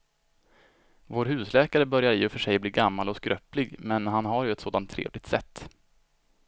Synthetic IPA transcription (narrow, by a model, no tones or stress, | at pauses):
voːɾɦʉ̟ːslɛːkaɾəbœɾjaɾɪːɔfœʂɛjbliːɾɡamːalɔskɾœplɪɡmɛnɦanɦaɾjɵɛt̪soːd̪ant̪ʰːɾḛːvlɪɡ̚t̪sɛ̰t̪ː